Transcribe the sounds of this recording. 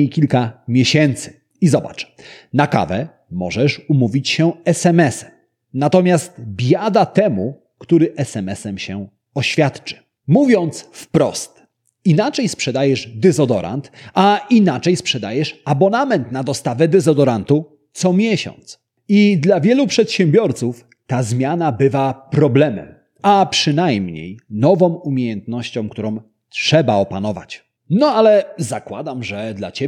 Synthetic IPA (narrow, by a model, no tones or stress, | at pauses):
ejkʲilkamʲjeɕɛnt̪sɘ̥ | izɔba̰t͡ʂnaka̰vɛ | mɔ̰ʐɛʂumuvʲit͡ɕɕɛɛsɛmɛsɛm | nat̪ɔmʲjast̪bʲjad̪at̪ɛmu | kt̪uɾɘʔɛsɛmɛsɛmɕɛ | ɔɕfʲjat̪t͡ʂɘ̥ | muvʲjɔnt̪sfpɾɔ̰st̪ | inat͡ʂɛjspʂɛd̪ajɛʐd̪ɛzɔd̪ɔ̰ɾʔa̰nt̪ainat͡ʂɛjspʂɛd̪ajɛʂabɔnamɛnt̪nad̪ɔst̪avɛd̪ɛzɔd̪ɔɾant̪u | t̪sɔmʲjɛɕɔ̰nt̪s | id̪lavʲjɛlupʂɛt̪ɕɛmbʲjɔɾt̪suf | t̪azmʲjanabɘvapɾɔblɛmɛ̰m | apʂɘnajmɲḛjnɔvɔ̃w̃umʲjejɛnt̪nɔɕt͡ɕɔ̃w̃k̚t̪uɾɔ̃w | tʂɛbaɔpanɔva̰t͡ɕ | nɔalɛzakwad̪amʐɛd̪la̰t͡ɕe